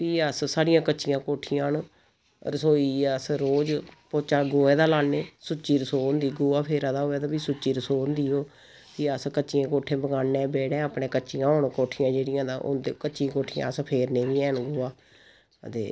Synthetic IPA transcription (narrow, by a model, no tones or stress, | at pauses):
piːəssaːɽijãːkət͡ʃːʃijãːkoːʈʰijãːn | ɾəsoːiːəsɾoːd͡ʒpot͡ʃaːɡoːɛːd̪aːlaːneːsʊt͡ʃːiːɾəsoːnd̪iːɡoːaːpʰeːɾãːd̪aːɦoːɛːd̪aːbiːsʊt͡ʃːiːɾəsoːnd̪iːoː | piːəskət͡ʃːijãːkoːʈʰẽːbəɡaːnːɛ̃ːbɛːɽɛ̃ːəːpɽẽːkət͡ʃːʃijãːoːɳkoːʈʰijãːd͡ʒeːɽɪjãːd̪aːʔo̰nd̪ekət͡ʃʃĩːkoːʈʰijã̰ːəspʰeːɾnẽːʋiːɛ̃ːnɡoːaː | ət̪ḛː